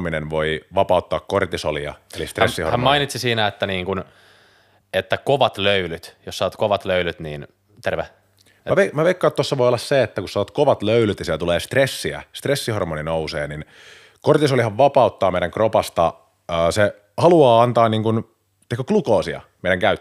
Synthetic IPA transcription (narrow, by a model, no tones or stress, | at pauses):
minenʋoiʋɑpɑut̪ːɑːkkort̪iso̰liɑ̰elist̪resːiho̰rhæmmɑinit̪sisiːnæet̪ːæniːŋkun | et̪ːækoʋɑt̪løylyt̪jossɑʋt̪koʋɑt̪løylyt̪niːn | t̪erʋe | mæʋemæʋeikːɑːt̪t̪ːosːɑʋojolːɑsseet̪ːækussɑʋɑt̪koʋɑt̪løylyt̪jɑsieɛlt̪uleːst̪resːiæ̰st̪resːihormoninousḛːnin | kort̪isolihɑʋʋɑpɑut̪ːɑːmeiɾæŋkropɑst̪ɑ | əːse | hɑluɑːɑnt̪ɑːnniːŋkun | t̪ekːøklukoːsiɑ̰meiɾæŋkæyt̪ː